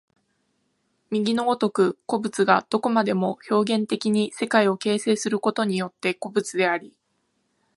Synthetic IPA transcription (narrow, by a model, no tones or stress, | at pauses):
mʲiɡʲino̞ːt̪o̞kɯ̟ko̞bɯt͡sɨɡad̪̥o̞ko̞mad̪e̞mo̞ço̞ːɡẽ̞nt̪e̞kʲiɲ̟ise̞kaio̞ke̞ːse̞ːsɨɾɯ̟ko̞t̪o̞ɲ̟ijo̞t̪ːe̞ko̞bɯ̟t͡sɨd̪e̞aɾʲi